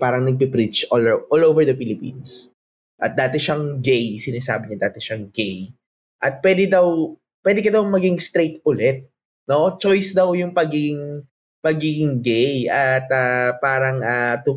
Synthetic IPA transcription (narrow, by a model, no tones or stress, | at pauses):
paːɾɐŋnɐɡ̚pɪpɾit͡ʃolʔolovɛɹd̪ɐfɪlɪpḭns | ʔɐ̰t̪̚d̪aːt̪ɛʃaŋɡejsɪnaːsa̰ːbɪɲɐd̪aːt̪ɛʃɐŋɡej | ʔɐt̪̚pwɛːd̪ɪd̪ɐw | pwɛːd̪ɪkɐd̪ɐwmɐɡɪŋst̪ɾejt̪̚ʊlɛt̪̚ | no̞t͡ʃojsd̪ɐwjʊŋpɐɡiɡɪŋ | pɐɡiːɡɪŋɡejɐt̪apaːɾɐŋʔat̪ʊ